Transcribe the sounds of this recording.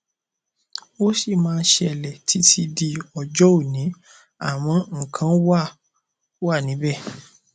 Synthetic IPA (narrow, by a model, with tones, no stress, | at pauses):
o˦ʃi˦˨mãː˦˧n̩˦ʃɛ˦ɛ˧˨lɛ˨tʰi˨˦tʰi˧di˧ɔ˧˨d͡ʒɔ˦o˦˨nĩ˨˦ | a˦˨w̃ɔ̃˨˧˦ŋ̩˦˨kʰã˨˦wa˦˨˦ | a˦˨nĩ˨˦bɛ˦˨